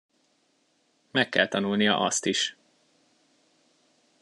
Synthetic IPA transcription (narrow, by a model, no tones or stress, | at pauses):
mɛkːɛlt̪ɒnulnijɒ̰ʔɒst̪iʃ